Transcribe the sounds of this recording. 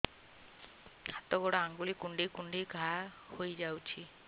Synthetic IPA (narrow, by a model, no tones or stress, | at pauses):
at̪ɔɡɔɽɔaŋɡulikuɳɖikuɳɖiɡʱa | hojd͡ʒawt͡ʃʰi